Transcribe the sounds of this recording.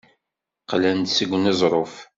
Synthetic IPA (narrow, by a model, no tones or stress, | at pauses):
qlænt̪səɡʷnezˤɾˤof